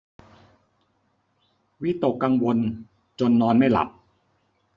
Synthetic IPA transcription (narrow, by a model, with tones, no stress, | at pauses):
wi˦˥t̪o˨˩kːa˧ŋwo˧n | t͡ɕo˧nːɔː˧nma˥˩jla̰˨˩p̚